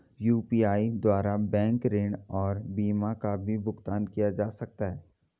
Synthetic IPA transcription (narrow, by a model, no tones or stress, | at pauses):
juːpiːaːid̪waːɾabɛ̃ːŋkɾeːɳɔːɾbiːmakabʱibʊɡt̪aːnkijad͡ʒaːsɐk̚t̪aɦɛː